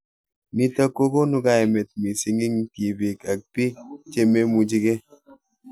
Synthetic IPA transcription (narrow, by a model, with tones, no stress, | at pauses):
mi˨tə˦ko˦ko˦nu˦ɡa˦e˨me˨t̚mi˨si˨ŋi˦ŋ̩˦ti˨bi˨ka˨k̚pi˦t͡ʃe˦me˦mu˨d͡ʒi˦ɡe˦